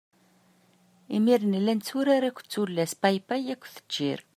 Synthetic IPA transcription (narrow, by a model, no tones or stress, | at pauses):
imiɾnlːænt͡sːuɾaɾækʷːt͡sːulːæspajpæjækʷːθə̥d͡ʒːḭɾ